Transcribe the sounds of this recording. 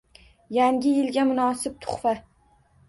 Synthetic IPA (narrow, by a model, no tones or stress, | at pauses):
jaŋɡʲɪjɪlɡʲamʊnɒsɪp̚t̪ʰʊ̥χfa